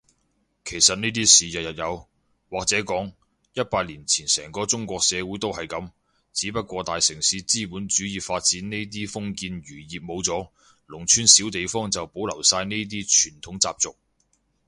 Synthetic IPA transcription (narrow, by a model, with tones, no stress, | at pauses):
kʰe˨˩jsɐ˨t̚niː˥t̪iː˥siː˨jɐ˨t̚jɐ˨t̚jɐ˨˧w | waː˨k̚t͡sɛː˨˥kɔː˨˥ŋ | jɐ˥t̚paː˧t̚liː˨˩nt͡sʰiː˨˩nsɛː˨˩ŋkɔː˧t͡sʊ˥ŋkʷɔː˧k̚sɛː˨˧wuː˨˥jt̪o˥whɐ˨jkɐ˨˥m | t͡siː˨˥pɐ˥t̚kʷɔː˧t̪aː˨jsɪ˨˩ŋsiː˨˥t͡siː˥puː˨˥nt͡ʃyː˨˥jiː˨˧faː˧t̚t͡siː˨˥nne˥t̪̬iː˥fʊ˥ŋkiː˧njyː˨˩jiː˨p̚mo˨˧wt͡sɔː˨˥ | lʊ˨˩ŋt͡ʃʰyː˥nsi˨˥wt̪e˨jfɔː˥ŋt͡sɐ˨wpo˨˥wlɐ˨˩wsaː˧jne˥t̪̬iː˥t͡ʃʰyː˨˩nt̪ʰʊ˨˥ŋt͡saː˧p̚t͡sʊ˨k̚